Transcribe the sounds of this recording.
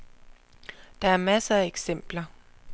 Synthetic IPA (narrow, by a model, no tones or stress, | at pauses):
d̥ɑ̈æɐmæsəæeɡ̥sem̰b̥lɐ